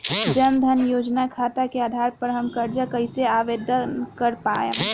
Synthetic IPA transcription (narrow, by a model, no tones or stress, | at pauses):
d͡ʒənd̪ʱənjoːd͡ʒnakʰat̪akeaːd̪ʱaɾpəɾɦəmkəɾd͡ʒəkəɪseaʋed̪ʱəkəɾpajə̰